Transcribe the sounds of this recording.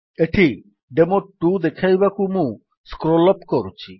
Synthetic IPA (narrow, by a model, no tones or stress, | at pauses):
eʈʰi | ɖemoʈʈːud̪ekʰajbakumũ | skɾolɔpkɔɾut͡ɕʰi